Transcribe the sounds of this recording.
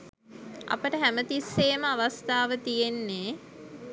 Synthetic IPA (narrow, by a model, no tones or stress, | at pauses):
a̰pəʈəɦæmət̪isːeːməaʋast̪aːʋət̪ijenːe